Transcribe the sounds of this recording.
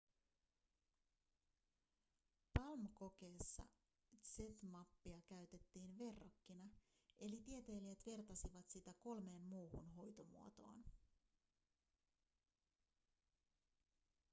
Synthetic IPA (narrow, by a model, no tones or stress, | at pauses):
pɑlmko̞k̟e̞ːsːɑ̰ | se̞t̪mɑpːiɑkæɥt̪e̞t̪ːiːnʋe̞rːokːinɑ | e̞lit̪iet̪e̞ːliet̪ʋe̞rt̪ɑsiʋɑt̪sit̪æko̞lme̞ːnmuːhunɦo̞jt̪o̞mṵo̞t̪o̞̰ːn